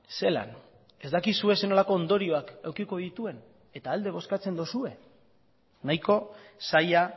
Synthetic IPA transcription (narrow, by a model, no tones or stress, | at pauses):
se̞la̰n | e̞zd̪akisue̞se̞no̞lako̞ːnd̪o̞ɾio̞akewkiko̞ðit̪ue̞n | e̞t̪aːld̪e̞β̞o̞skat͡se̞nd̪osue̞ | najko̞saja